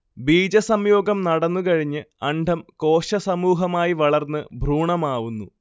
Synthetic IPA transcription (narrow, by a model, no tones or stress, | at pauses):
biːd͡ʑɐsɐmjo̞ːɡɐmnɐɽɐnːukɐɻiɲːɨɐɳɖʱɐmko̞ːɕɐsɐmuːɦɐmaːjiʋɐɭɐrnːɨbʱruːɳɐmaːʋunːu